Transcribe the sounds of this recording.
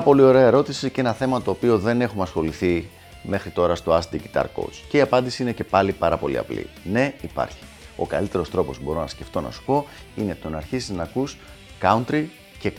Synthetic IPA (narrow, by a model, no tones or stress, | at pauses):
ɐpo̞lio̞ɾe̞ɐe̞ɾo̞t̪isiceenɐθe̞mɐt̪o̞ːpio̞ðe̞ne̞xumɐsxo̞liθi | me̞xɾit̪o̞ɾɐst̪o̞ɐsd̪iʝit̪ɐ̰ɾko̰t͡sce̞iɐpɐnd̪isiine̞ce̞pɐlipɐɾɐpo̞̰lḭɐ̰plḭne̞ipɐ̰ɾçi̥ | o̞̰kɐ̰lit̪e̞ɾo̞st̪ɾo̞po̞subo̞ɾonɐsce̞ft̪o̞nɐ̰si̥po̞ | ine̞t̪o̞nɐɾçisiznɐkus | kɐunt̪ɾi | ce